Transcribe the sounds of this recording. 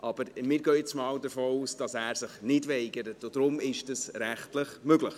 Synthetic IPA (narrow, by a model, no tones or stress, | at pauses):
ʔɑb̥əɾmɪːɾɡøːɪt͡smɑːwdəfoːuːsd̥ɑsæːɾsɪχnɪdvɛɪɡəɾətod̥ɾʊmɪʃtɛsɾæχtlɪχmøɡlɪχ